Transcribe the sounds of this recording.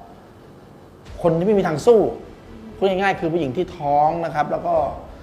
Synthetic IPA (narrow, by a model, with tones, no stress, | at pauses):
kʰo˧nt̪ʰiː˥˩m˥˩miː˧t̪ʰaː˧ŋsuː˥˩ | pʰuː˥˩˨ŋa˥˩jŋaː˥˩jkʰɯː˧pʰuː˥˩˨ji˩˦ŋt̪ʰiː˥˩t̪ʰɔː˦˥ŋna˦˥kʰa˦˥p̚lɛː˦˥wkɔː˥˩